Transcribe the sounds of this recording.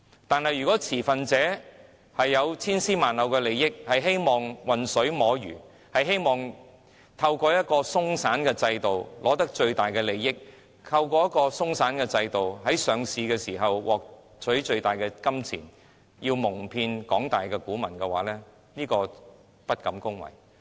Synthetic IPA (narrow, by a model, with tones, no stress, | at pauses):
t̪aː˨nhɐ˨jːyː˨kɔː˨˥t͡sʰiː˨˩fɐ˨nt͡sɛː˨˥ | hɐ˨jːɐ˨˧wt͡sʰiː˥nsiː˥maː˨nlɐ˨wkɛː˧le˨jːɪ˥k̚hɐ˨jɦe˥jmɔː˨˩ŋwɐ˨nsɵ˨˥ɥmɔː˨˥jy̰ː˨˩ | hɐ˨jɦe˥jmɔː˨˩ŋ | t̪ʰɐ˧wkɔː˧jɐ˥t̚kɔː˧sʊ˥ŋsaː˨˥nkɛː˧t͡sɐ˧jt̪o˨˩wlɔː˨˥t̪ɐ˥k̚t͡ʃɵ˧ɥt̪aː˨˩jkɛː˧le˨˩jːɪ˥k̚ | k̪ʰɐ˧wkɔː˧jɐ˥kɔː˧sʊ˥ŋsaː˨˥nkɛː˧t͡sɐ˧jt̪o˨wɦɐ˨˥jsœː˨ŋsiː˨˧kɛː˧siː˨˩ɦɐ˨wwʔɔː˨k̚ | t͡sʰɵ˨˥ɥt͡ʃɵ˧ɥt̪aː˨˩jkɛː˧kɐ˥mt͡sʰḭː˨˩n | jiː˧wmʊ˨˩ŋpʰiː˧nkɔː˨˥ŋt̪aː˨jkɛ˧kuː˨˥mɐ˨˩nkɛ˧wa̰ː˨˥lɛː˥ | niː˥kɔː˧ | pɐ˥t̚kɐ˨˥mkʊ˥ŋwɐ̰˨˩j